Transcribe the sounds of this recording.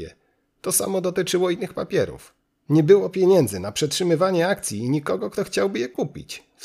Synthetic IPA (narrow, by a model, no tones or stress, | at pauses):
ɛ̰ | t̪ɔsa̰mɔd̪ɔt̪ɘt͡ʂɘwɔinːɘxpapʲjɛɾṵf | ɲɛbɘwɔpʲjeɲɛnd̪zɘnapʂɛtʂɘmɘvaɲɛakt̪sʲjiːɲikɔɡɔkt̪ɔxt͡ɕawbɘjɛkupʲḭt͡ɕ